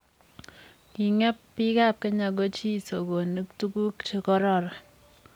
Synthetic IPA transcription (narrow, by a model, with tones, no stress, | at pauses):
ki˨ŋɛ˦pːi˦ka˦˨p̚ke˦ɲa˨ɡo˦t͡ʃi˦˨so˨ɡo˨nɨ˦ktu˦ku˦kt͡ʃe˦kɔ˦ɾɔ˦˨ɾɔ˨